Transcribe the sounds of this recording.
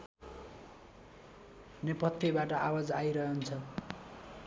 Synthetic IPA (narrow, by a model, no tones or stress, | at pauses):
nepʌt̪ʰːjʌbaʈʌʔawad͡zajɾʌɦʌnt͡sʰʌ